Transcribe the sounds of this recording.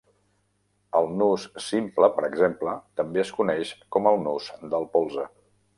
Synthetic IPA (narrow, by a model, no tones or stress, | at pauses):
əlˠnussimpləpəɾəɡzemplət̪əmbeəskunɛʃkɔməlˠnusd̪əlˠpolˠzə